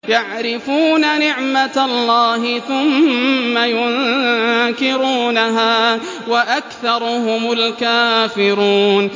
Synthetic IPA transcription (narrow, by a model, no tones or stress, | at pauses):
jaʕɾɪfuːnanɪʕmat̪alˤːaːhɪθʊmːajʊn | kɪɾuːnaɦaː | waʔakθɑɾˤʊɦʊmʊlkaːfɪɾuːn